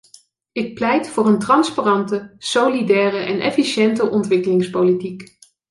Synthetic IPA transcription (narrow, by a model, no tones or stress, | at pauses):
ɪk̚plɛjtfʊːrəntrɑnsparɑntəsowlidɛːrəʔɛnʔɛ̰fiʃɛntəʔɔntʋɪkəlɪŋspowlitik